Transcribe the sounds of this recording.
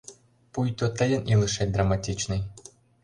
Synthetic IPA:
pujt̪ɔt̪ɛlʲɛnʔilˠɨʂɛt̚ʲd̪ɾɐmatʲit͡ʃnɨj

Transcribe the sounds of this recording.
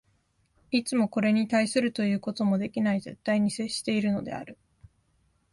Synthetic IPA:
it͡sɨmo̞ko̞ɾe̞ɲ̟it̪aisɨɾɯ̟t̪o̞jɯ̟ːko̞t̪o̞mo̞d̪e̞kʲinaize̞̰t̪ːaiɲ̟ise̞ɕi̥t̪e̞iɾɯ̟no̞̰d̪e̞̰a̰ɾɯ̟

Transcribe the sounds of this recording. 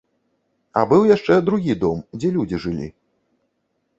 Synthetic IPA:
ɐ̰bɨwjaʂt͡ʂɛd̪ɾuɣʲid̪ɔmd͡zʲɛlʲud͡zʲiʐɨlʲḭ

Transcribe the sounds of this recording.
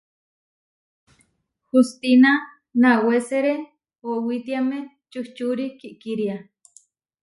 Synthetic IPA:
hust̪ina | naweseɾe | owit̪iame | t͡ʃuht͡ʃuɾikiʔkiɾia

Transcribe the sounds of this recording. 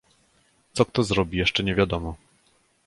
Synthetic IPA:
t̪sɔk̚t̪ɔzɾɔbʲijɛʂt͡ʂɛɲɛvʲjad̪ɔmɔ

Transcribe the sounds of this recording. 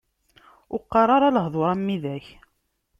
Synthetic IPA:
ʊqːɑrˤɑɾˤɑləɦðˤoɾˤɑmːiðæç

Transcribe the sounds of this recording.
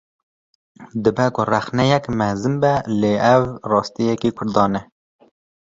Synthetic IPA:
d̪ɨbɛkʊræxnɛjɛkmæɾzɨmbɛleɛvrɑːst̪ijɛkikʰʊɾd̪ɑːnɛ

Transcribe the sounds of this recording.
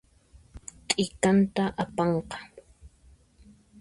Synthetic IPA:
t̪ʼɪkant̪aʔapɑɴqɑ̥

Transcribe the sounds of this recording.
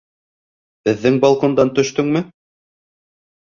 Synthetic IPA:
b̥ɘ̆ðːɘŋbɑlˠkond̪ɑnt̪ɵ̆ʃt̪ɵŋmɘ

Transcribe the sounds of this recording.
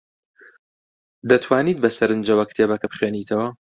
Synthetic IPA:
d̪ɐt̪ʰwaːniːt̪̚bɐsɐɾɨnd͡ʒɐwɐkɨ̥t̪ʰeːbɐkʰɐbɨχweːniːt̪ʰɐwɐ

